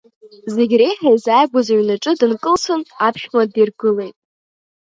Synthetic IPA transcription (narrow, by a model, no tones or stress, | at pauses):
ze̞ɡʲrejħajzajɡʷazaɥnaʈ͡ʂʼɨdɨnkʼɨlsʰʊnapʰʃmʷadirɡɨle̞jtʼ